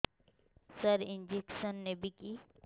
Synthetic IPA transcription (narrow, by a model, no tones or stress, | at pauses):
səɾɪnd͡ʒeksənːebʱiki